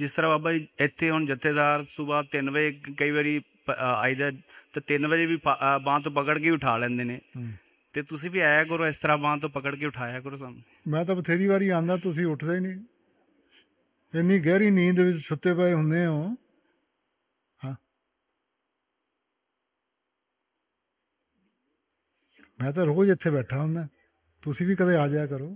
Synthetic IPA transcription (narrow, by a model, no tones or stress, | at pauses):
d͡ʒɪst̪əɾãːaːbaːiɪt̪ʰːeːɦʊɳd͡ʒət̪ʰːeːd̪aːɾsʊbaːt̪ɪnbəd͡ʒeːkəiːbaɾiː | pa̰ːiːd̪aːt̪ːt̪ɪnbəd͡ʒeːbiːpabãːt̪̬õːpəkəɽkeːʊʈʰaːlɛ̃ːnd̪eːneː | t̪eːt̪ʊsĩːbiːaːjaːkəɾoːɪst̪əɾaːbãːt̪̬õːpəkəɽk̬eːʊʈʰaːjaːkəɾoːsam | mɛ̃ːt̪̬əbt̪ʰeːɾiːbaːɾiːãːnd̪aːt̪ʊsĩːʊʈʰd̪aːiːnĩː | ɪnːĩːɡɛːɾiːnĩːnd̪eːʋɪt͡ʃt͡ʃʰʊt̪ːeːpaːeːɦʊnd̪eːɦõː | ɦãː | mɛ̃ːt̪̬ãːɾoːd͡ʒɪt̪ʰːeːbɛːʈʰaːɦʊ̃nd̪aː | t̪ʊsĩːbiːkəd̪eːaːd͡ʒjaːkəɾoː